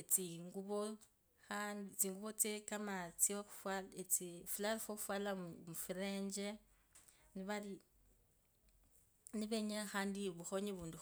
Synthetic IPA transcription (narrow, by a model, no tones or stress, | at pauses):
et͡siŋɡuβo | xanit͡siːŋɡuβot͡sekamat͡sioxu̥fwalet͡sifilaɾfoxufwalamufiɾeːɲd͡ʒe | niβali | niβeɲexaːndiβuxo̞ɲiβuːndu